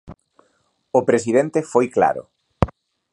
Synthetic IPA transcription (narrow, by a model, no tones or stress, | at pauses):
ʊpɾes̬ið̞ent̪efojkla̰ɾʊ̰